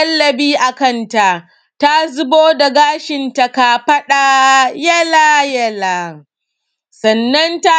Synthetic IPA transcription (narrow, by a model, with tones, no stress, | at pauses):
ɐ˦lːɐ˨biː˦ʔa˨kɐ˦˨nta˨ʔ | ta˦zʊ˦boː˦da˨ɡaː˦ʃɪ˨nta˨ka˨ɸɐ˦ɗa˨jɐ˦la˦jɐ˦laː˨ | sɐ˨nːɐ˦nta˦